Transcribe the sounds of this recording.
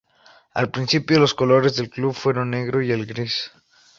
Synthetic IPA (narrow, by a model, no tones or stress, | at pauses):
a̰lpɾinsipjolo̞sko̞lo̞ɾezðe̞lkluβfwe̞ɾo̞nːe̞ɣɾo̞ielɡɾis